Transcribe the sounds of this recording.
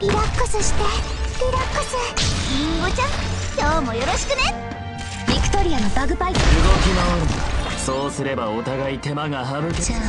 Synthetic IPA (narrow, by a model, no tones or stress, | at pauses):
ɾʲiɾakːɯsɨɕi̥t̪espiɾakːɯsɨɯot͡ɕãŋkʲoːmo̞jo̞ɾo̞ɕi̥kɯ̟ne̞ | bʲikɯ̟̥t̪o̞ɾʲiano̞baɡɯ̟bait̪oɯɡokʲinaoɾɯsoːsɨɾe̞baot̪aɡait̪e̞maɡaɦaɾɯ